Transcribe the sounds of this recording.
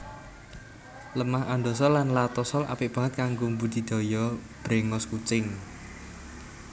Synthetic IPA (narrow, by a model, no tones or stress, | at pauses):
ləmaɦand̪osɔlanlat̪ɔsɔlʔa̰pɪʔ̚b̥a̤ŋət̪̚kaŋɡombud̪̥i̤d̪̥ɔ̤jɔb̥ɾeŋɔskut͡ʃɪŋ